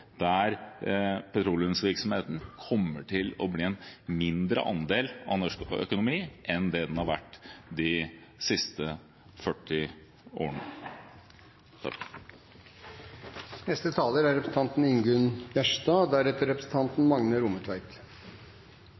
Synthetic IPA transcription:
d̪̥æɾ | pʰɛt̪ʰɾuːlɪənsʋɪɾksɔmheːt̪n̩kʰɔmːəʈʰɪlɔbliːɛnmɪnd̪ɾə̰ʔɑnd̪eːlɑ̰nɔʂkœ̰kʊnʊmiːʔɛnd̪ɛd̪ɛnhɑɾʋæʈːd̪ɪsɪst̪ə | fœʈːɪ | ʔo̰ːəɳə | nɛst̪ət̪ʰɑːləɾæɾɛpɾəsn̩t̪ɑnt̪n̩ɪŋɡʉnjæʂd̪ɑːd̪æɾɛt̪əɾɛpɾəsn̩t̪ʰɑnt̪n̩mɑŋnəɾʊmət̪ʰʋæɪk̪

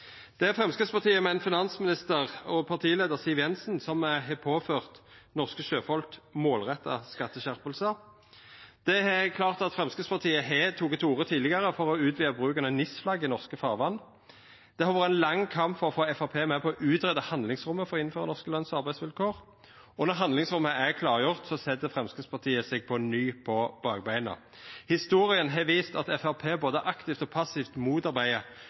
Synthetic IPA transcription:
d̪̥ɛæʁfʁɛmskəspɑʁt̪ʰiːəmɛnfɪnɑnsmɪnɪst̪əʁɔpʰɑʁt̪ʰiːleːd̪əʁsiːʋjɛnsnsɔmɦɛpʰoːføːʁt̪nɔʁskəʃøːfɔlkmoːlʁɛt̪ʰːɑ̰skɑt̪ːəɕæʁpəlsə | d̪̥ɛhɛkʰlɑːʁt̪ɑt̪fʁɛmskəspɑʁt̪ʰiːəɦeːt̪ʰuːkət̪ʰuːʁət̪ʰiːd̪lɪɡəʁəfɔʁɔʉːt̪ʋiːəbʁʉːkɑnənɪsflɑɡɪnɔʁskəfɑːʁʋɑnː | d̪̥ɛhɑʋɑːʁəænlɑŋːkʰɑmpfɔʁɔfoːɛfɑpʰeːmɛpʰɔɔʔʉːt̪ɾɛd̪əhɑnlɪŋsɾʊmːəfɔɾɔɪn̩føːʁə̰nɔʁskəlɑnsɑʁbæɪsʋɪlkʰoːʁ | ɔnɔʁɦɑnd̪lɪŋsʁʊmːəʔækʰlɑːʁjʊʁt̪sɔsɛt̪ːəfʁɛmskəspʰɑʁt̪ʰiːəsɛɡ̚pʰɔnyːpʰɔb̥ɑːɡbæɪnə̰ | hɪst̪uːɾɪənɦɑʋiːst̪ɑt̪ɛfæʁpʰeːboːd̪əʔɑkt̪ɪft̪ɔpʰɑsːɪft̪muːt̪ɑɾbæɪə

